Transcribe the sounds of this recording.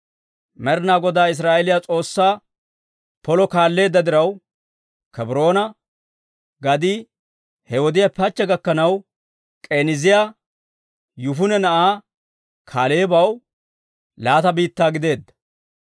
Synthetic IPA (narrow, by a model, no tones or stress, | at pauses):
mɛɾnaːɡɔd̪aːɪs̬ɾaːʔɛlɪjat͡sʼo̞ːsːaː | pɔlɔkaːlːe̞ːd̪ːɐd̪ɪɾɐw | kɛbɾo̞ːnɐ | ɡɐd̪ɪ | hɛɔd̪ɪjɐpɐt͡ʃːɛɡɐkːɐnɐw | kʼe̞ːnɪzɪja | jʊfʊnɛnɐʔaː | kʰaːleːbɐw | laːt̪ɐbiːt̪ːaːɡɪd̪e̞ːd̪ːɐ̥